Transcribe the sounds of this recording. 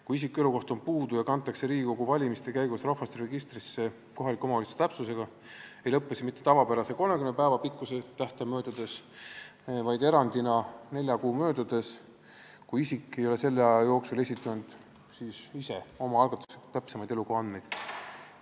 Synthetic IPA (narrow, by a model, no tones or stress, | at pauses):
kuisikːe̞luko̞ht̪o̞npuːd̪ujɑkɑnt̪ːˑɑkse̞ɾiːɡiko̞ɡ̥uvɑlʲimist̪ekæjɡ̥usrɑhfɑst̪eɾe̞ɡist̪risːe̞ | ko̞ɦɑlikːˑoomɑulist̪ːet̪æpsuse̞ɡ̥ɑ | e̞jlɤpːˑesi̥mit̪ˑːet̪ɑvɑpeɾɑse̞ko̞lme̞kynːepæːvɑpikːˑuse̞t̪æht̪ɑmø̞ːd̪̥ɑd̪̥e̞s | vɑjd̪e̞ɾɑnd̪inɑne̞lʲjɑkuːmø̞ːd̪̥ɑd̪̥e̞s | kujisikːˑe̞jo̞le̞se̞lːeɑɑjo̞ːksule̞sʲit̪ːˑund̪̥ | sisise̞o̞mɑɑlɡ̥ɑt̪ːˑu̥set̪æpsemɑjd̪elukoɑnd̪ne̞jd̪̥